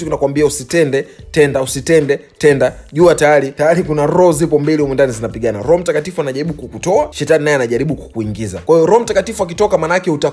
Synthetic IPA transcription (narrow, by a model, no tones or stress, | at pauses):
tukinakwambiausitɛndɛtɛndausitɛndɛ | tɛndaʄuatajaɾitajaɾikunaɾɔzipɔmbiliumwɛndanizinapiɠanaɾɔɔm̩takatifuanaʄaɾiɓukukutɔaʃɛtaninaɛanaʄaɾiɓuku̥kuiŋɡizakwahijɔɾɔm̩takatifuak̬itɔkamaːnaakɛuta